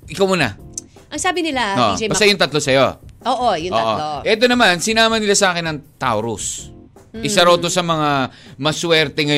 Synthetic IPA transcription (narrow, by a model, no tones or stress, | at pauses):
ʔɪkawmuːnɐ̰ | ʔɐŋsaːbɪnɪlaoːʔbɐsst̪ajʊŋt̪ɐt̪lo̞sɐjo̞̰oːʔojʊoʔo̰oʔɛt̪o̞nɐmansɪnaːmɐnɪlasɐʔaːkɪnɐŋt̪a̰wɾʊ̰s | ʔɪsɐɾɐwt̪o̞sɐmɐŋamɐswɛɾt̪ɛŋɐj